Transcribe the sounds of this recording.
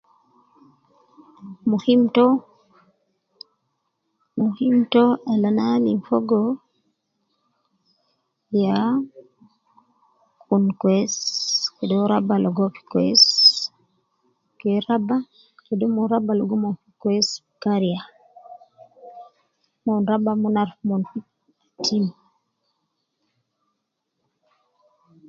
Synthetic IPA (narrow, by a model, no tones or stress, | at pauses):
muhimtɔ | muhimtoalanaliɱfoɡɔ | ja | kunkweskedoɾabaloɡofi̥kwḛs | kɛɾaba | kedɔmɔɾabalɔɡɔmɔfikwɛs | kaɾia | mɔnɾabamunaɾfmɔn | atʰim